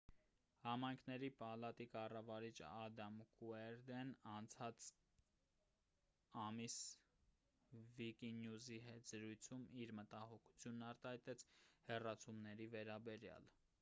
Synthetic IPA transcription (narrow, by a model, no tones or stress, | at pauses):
hɑmɑjŋkʰnɛɾipɑlɑt̪ikɑrɑvɑɾit͡ʃʰɑd̪ɑmkuɛɾd̪ɛnɑnt͡sʰɑt͡s | ɑmis | vikinjuziɦɛt̪ʰz̥əɾujt͡sʰumiɾmət̪ɑhɔkʰu̥t͡sʰjunːɑɾt̪ɑhɑjt̪ɛt͡sʰhɛrɑt͡sʰumnɛɾivɛɾɑbɛɾjɑ̰l